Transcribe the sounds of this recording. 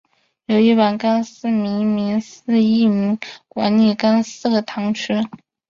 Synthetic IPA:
jo˧˩ʊi˥˩pa˨˩nka˥nsɹ̩˥˩mi˧˥ŋmi˧˥ŋsɹ̩˥˧i˥˩mi˧˥ŋkwa̰˧˥nli˥˩ka˥nsɹ̩˥˩ɡə˩t̪ʰɑ˧˥ŋʈ͡ʂʰy˥

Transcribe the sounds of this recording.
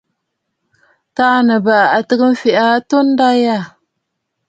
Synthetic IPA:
ta˦nə˨ba˨a˨tə˦kə˦m˦fi˨ʔa˦to˦n˦da˦ja˦˨

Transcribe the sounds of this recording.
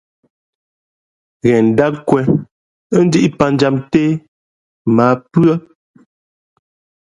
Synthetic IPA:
ɣɛ˨n̩˨da˦kkwɛ˨˦ | n̩˦di˦ʔi˦pa˨n˦d͡ʒa˦mte˦ | maː˨˦pɰə˦

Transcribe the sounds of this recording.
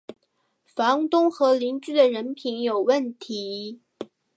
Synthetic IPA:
fɑ˧˥ŋt̪ʊ˥ŋxɤ˧˥li˧˥ŋt͡ɕy˥˩d̪ə˨ɻə˧˥npʰi˧˥njo˨˩ʊwə˥˩nt̪ʰi˧˥

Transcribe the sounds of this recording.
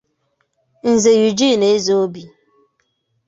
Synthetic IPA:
n̩˨ze˨ju˨d͡ʒi˦˨ne˨e˦zo˨˦o˦bi˨

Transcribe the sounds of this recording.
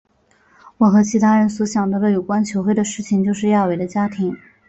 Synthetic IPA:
wɔ˨˩xɤ˧˥t͡ɕʰi˧˥t̪ʰa˥ɻə˧˥nswɔ˧˥ɕjɑ˨˩ŋd̪ə˧˥lə˦jo˨˩ʊkwa˥nt͡ɕʰjo˧˥ʊxwe˥˩ɪd̪ə˩ʂɻ̩˥˩t͡ɕʰi˨˩ŋt͡ɕjo˥˧ʊʂɻ̩˥˧ja˥˩we˨˩ɪd̪ə˦t͡ɕja˥t̪ʰi˧˥ŋ

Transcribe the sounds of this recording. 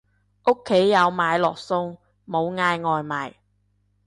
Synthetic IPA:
ʔʊ˥kʰːe˨˥jːɐ˨˧wmaː˨˧jlɔː˨˩k̚sʊ˧ŋ | mo˨˧wŋaː˧jŋɔː˨jmaː˨˩j

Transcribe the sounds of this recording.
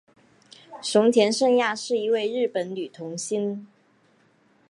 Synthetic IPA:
ʂʊ˧˥ŋt͡ɕʰjɛ˧˥nʂɤ˥˧ŋja˥˧ʂɻ̩˥˩i˧˥we˥˧ɪɻɻ̩˥˩pə˨˧˥nly˨˩t̪ʰʊ˧˥ŋɕi˥n

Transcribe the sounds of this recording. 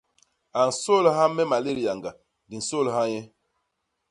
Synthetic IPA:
a˨n˨so˦˨lhã˦mɛ˦ma˨le˦ɾi˨a˨ŋɡa˨ | di˨so˦˨lha˦jɛ˦

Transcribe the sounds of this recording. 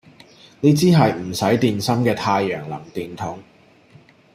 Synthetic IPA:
niː˥t͡siː˥ɦɐ˨jm̩˨˩sɐ˨˥jt̪iː˨nsɐ˥mkɛː˧t̪ʰaː˧jːœː˨˩ŋlɐ̰˨˩ŋt̪iː˨nt̪ʰʊ˨˥ŋ

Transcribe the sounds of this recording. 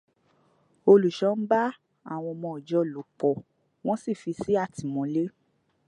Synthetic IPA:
o˧lu˨ʃɔ̃˨˦n̩˦ba˦ | a̰˦˨w̃ɔ̃˧mɔ̃˧ɔ˨d͡ʒɔ˧lo˨k͡pɔ˨ | w̃ɔ̃˦si˦˨fi˧si˦a˦˨tʰi˨mɔ̃˨˧˦le˦

